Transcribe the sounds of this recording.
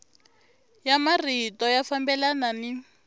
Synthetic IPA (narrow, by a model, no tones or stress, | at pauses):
jamaritɔjafambɛlanani